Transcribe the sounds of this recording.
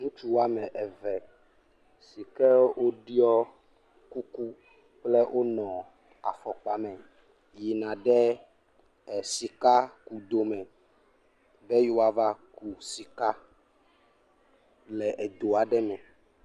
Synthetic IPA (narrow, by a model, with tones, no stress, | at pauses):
ŋũ˦t͡ʃu˦wa˦mɛ̃˨ʔɛ˨vɛ˨ | si˨kɛ˦wʔo˦ɖi˦ɔ˦ | ku˦ku˦ | k͡plɛ˦wʔo˦nɔ̃˨ | a̰˨fɔ˨k͡pa˨mɛ̃˨ | ji˨nã˨ɖɛ˦˨ | si˨ka˦ku˦d̪o˨mɛ̃˨ | bɛ˦jo˦wa˨va˦ku˨si˨ka˦ | lɛ˨ʔɛ˨d̪o˨a˨ɖɛ˦mɛ̃˨